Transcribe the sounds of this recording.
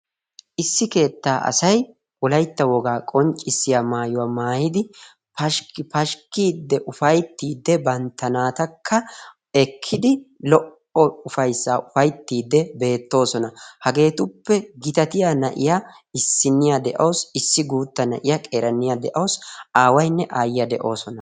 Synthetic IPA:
ʔɪsːɪke̞ːt̪ːaːʔɐ̰sɐj | ʔʊlɐjt̪ːɐwɔɡaːkʼɔnt͡ʃʼːɪsːɪjamaːjʊwaːmaːjɪd̪ɪ | pɐʃpɐʃkːiːd̪ːɛʔʊfɐjt̪ːiːd̪ːɛbɐnt̪ːɐnaːt̪ɐkʰːɐ | ɛkʰːɪd̪ɪlɔʔ | ɔʊfɐjsːaːʔʊfɐjt̪ːiːd̪ːɛbe̞ːt̪ːo̞ːsɔnɐhɐɡe̞ːt̪ʊpːɛɡɪt̪ɐt̪ɪjanɐʔɪja | ɪsːɪnːɪjad̪ɛʔɐwsɪsːɪɡuːt̪ːɐnɐ̰ʔɪjakʼeːɾɐnːɪjad̪ɛʔɐwsaːwɐjnːɛʔaːjɪjɐd̪ɛʔo̞ːsɔnɐ

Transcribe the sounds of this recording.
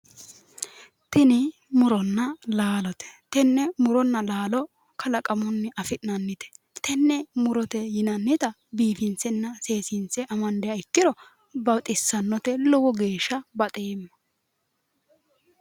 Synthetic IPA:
t̪ɪnɪ | mʊɾɔnːɐlaːlɔt̪ɛ̥t̪ɛnːɛmʊɾɔnːɐlaːlɔ | kʰɐlɐkʼɐmʊnːɪʔɐfɪʔnɐnːɪt̪ɛ̥ | t̪ɛnːɛmʊɾɔt̪ɛjɪnɐnːɪt̪ɐ | biːfɪnt͡sːɛnːɐse̞ːsɪnt͡sːɛʔɐmɐnd̪ɛjɐɪkːɪɾɔ | bɐwt̪ʼɪsːɐnːɔt̪ɛlɔwɔɡeːʃːɐbɐt̪ʼeːmːɐ

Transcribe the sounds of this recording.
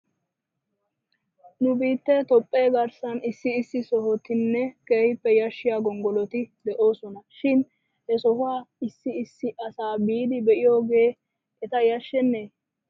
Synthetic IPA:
nʊbiːt̪ːe̞ːt̪ɔpʼːe̞ːɡɐɾsɐnɪsːɪːsːɪsɔɦɔt̪ɪnːɛke̞ːhɪpːɛjɐʃːɪjaːɡɔŋɡɔlɔt̪ɪd̪ɛʔo̞ːsɔnɐʃɪn | hɛsɔhʊwaːɪsːɪɪsːɪʔɐsaːbiːd̪ɪbɛʔɪjo̞ːɡe̞ː | ɛt̪ɐjɐʃːɛnːeː

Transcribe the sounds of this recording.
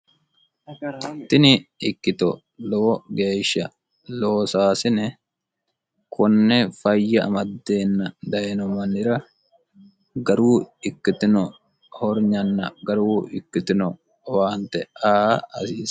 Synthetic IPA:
t̪ɪnɪɪkːɪt̪ɔ | lɔwɔɡe̞ːʃɐ | loːsaːsɪnɛ | kʰʊnːɛfɐjːɐɐ̰mɐd̪ːe̞ːnːɐd̪ɐɛnɔmɐnɪɾɐ | ɡɐɾuːɪkːɪt̪ɪnɔ | hɔɾɲɐnːɐɡɐɾuːɪkːɪt̪ɪnɔ | waːnt̪ɛaːɐsiːs

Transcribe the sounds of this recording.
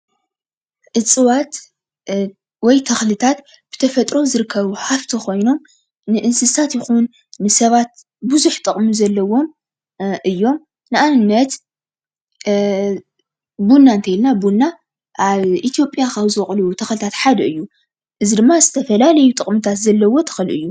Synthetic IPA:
ʔɨt͡sʼɨwat̪ | wɔjt̪ʰɐxlɨt̪ʰat̪ | b̥ɨ̥t̪ʰɐfɐt̪ʼɾo̞zɨɾɨkʰːɐβuħaft̪ʰikʰo̞jno̞m | nɨʔɨnsɨzt̪ʰat̪jɪxunː | ɨsɐβat̪̚ | buzuħt̪ʼɨkʼmuzɐlːɐwo̞m | ʔɨjːo̞m | nɨʔanɨnːɐt̪ | bunːant̪ʰɐjlnabunːa | ʔaβʔit̪ʰijo̞pʼjakʰaβzɨχʼlut̪ʰɐxlɨt̪ʰat̪ħad̪ɐɨjːu | ʔɨzid̪ɨmːazɨt̪ʰɐfɐlalɐjut̪ʼɨχʼmɨt̪ʰat̪zɐlːɐwo̞t̪ʰɐ̥xlɨʔɨjːu

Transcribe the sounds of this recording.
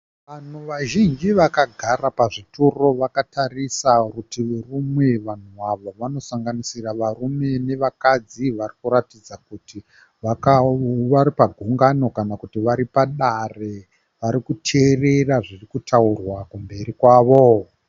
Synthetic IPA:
ʋan̤uʋaʒind͡ʒiʋakaɡʱarapaʐitoro̞ʋakatarisakutiʋurumwe̞ʋan̤uʋaʋo̞ʋano̞saŋɡanisiraʋarume̞ne̞ʋakad͡ziʋarikuɾatid͡zakuti | ʋakaʋaɾipaɡʱuŋɡano̞kanakutiʋaɾipaɗare | ʋaɾikutʰereraʐirikutʰaurwakumbe̞ɾikwaːʋo̞

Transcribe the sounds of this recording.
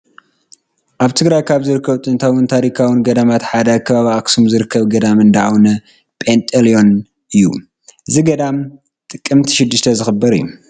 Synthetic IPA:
ʔaβt̪ʰɨɡɾajkʰaβzɨɾɨkʰːɐβt̪ʼɨnt̪ʰawɨnt̪ʰaɾikʰawɪnɡɐd̪amat̪ħad̪ɐkʰɐβaβiaksumzɨɾɨkʰːɐβɡɐd̪amɨnd̪aʔawnɐ | pʼent̪ʼɐlijo̞n | ʔɨjːṵ | ʔɨziɡɐd̪am | t̪ʼɨkʼːɨmt̪ʰiʃɪd̪ːɨʃt̪ʰɐzɨxɨbːɐɾɨ̰jːṵ

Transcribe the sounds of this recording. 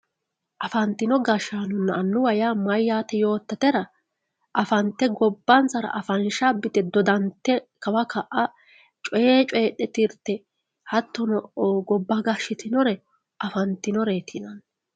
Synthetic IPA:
ʔɐfɐnt̪ːɪnɔɡɐʃaːnʊnːɐːnːʊwɐjaːmɐjːaːt̪ɛjo̞ːt̪ːɐt̪ɛɾɐ | ʔɐfɐnt̪ːɛɡɔbːɐnt͡sɐɾɐ̰ʔɐfɐnʃabɪt̪ɛd̪ɔd̪ɐnt̪ːɛkɐwɐkɐʔɐ | t͡ʃʼɔjeːt͡ʃʼɔjɗɛt̪ɪɾt̪ːɛ | hɐt̪ːɔnɔʔoːɡɔbːɐɡɐʃɪt̪ɪnɔɾɛ | ʔɐfɐnt̪ːɪnɔɾe̞ːt̪ʰɪnɐn

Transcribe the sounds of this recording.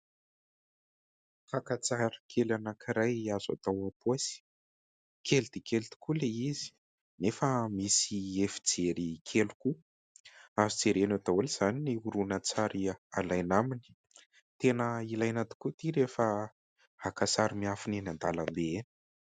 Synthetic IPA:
kakat͡saɾəkʰelanakʰiɾajaza̰t̪awat̪uasi̥ | kʰeld̪̥ekelit̪i̥kuleizi̥ | nefəmisiefid͡zeɾikʰeluku | avid͡zeɾenot̪awuliz̥aniniuɾunat͡saɾiaalajnamini̥ | t̪enəilajnat̪i̥kut̪iɾefə | hakasaɾimiafininand̪alanb̪eeni̥

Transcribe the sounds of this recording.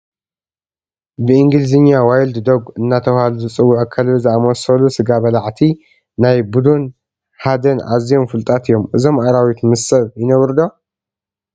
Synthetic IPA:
bɨʔɨŋɡɨlzɨɲːawajld̪d̪oɡɨnːat̪ʰɐwhaluzɨt͡sʼɨwːuʕakʰːalzɨamosɐlusɨɡabɐlaʕt̪ʰi | najbud̪un | ħad̪ɐnʔa̰zjo̞mfɨlt̪ʼat̪ʰɨjo̞mʔɨzo̞mʔaɾawit̪mɨsɐβjɪnɐβɾɨd̪o̞

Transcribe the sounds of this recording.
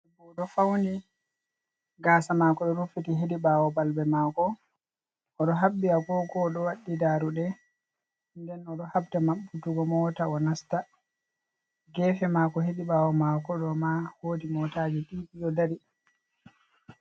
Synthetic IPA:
buɗɔfawndi | ɡaːsamakɔɗɔɾufitiɦediɓawɔbalbɛmaːkɔː | ɗɔɦabːiaɡɔɡɔɗɔwaɗːidaːɾuɗɛ | ndɛnɔɗɔhabtamaɓːutuɡɔmɔtaɔnasta | ɡɛfɛmakɔheɗiɓawɔmakɔɗɔmahoːdimɔtad͡ʒɛɗiʔiɗɔdaɾi

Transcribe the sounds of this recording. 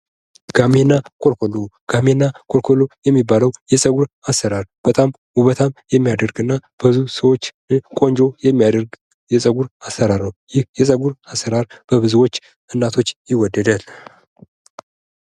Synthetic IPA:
ɡ̥amenːakʰo̞lko̞loɡ̥amenːakʰolkʰo̞lojɛmːibaləwjɛsʼəɡuɾasːəɾaɾb̥ət̪ʼam | uβət̪ʰamjɛmːijad̪əɾɡɨnːab̥əβzusəwot͡ʃː | kʼo̞nd͡ʒo̞jɛmːijad̪əɾɡ | jɛsʼəɡuɾasːəɾaɾnəwjɪhjɛsʼəɡuɾasːəɾaɾb̥əβɨzuwo̞t͡ʃː | ɨnːat̪ʰo̞t͡ʃːjɪwɔd̪ːəd̪al

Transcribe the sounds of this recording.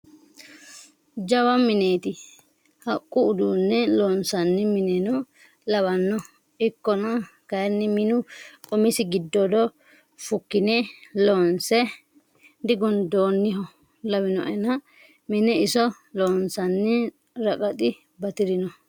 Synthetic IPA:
d͡ʒɐwɐmɪneːt̪ɪ | hɐkʼːʊʊd̪uːnːɛloːnsɐnːɪmɪnɛnɔ | lɐwɐnːɔ | ɪkːɔnɐ | kɐjnːɪmɪnʊkʼɔmɪsɪɡɪd̪ːɔd̪ɔ | fʊkːɪneloːnsɛ | d̪ɪɡɔnd̪oːnːɪɦɔ | lɐwɪnɔ̰ʔɛnɐ | mɪnɛɪsɔ | loːnsɐnːɪ | ɾɐkʼɐt̪ʼɪ | bɐt̪ɪɾɪnɔ

